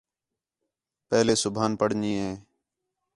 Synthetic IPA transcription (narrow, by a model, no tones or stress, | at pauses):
pɛːleːsʊbʱaːnpəɽɲiːɦeː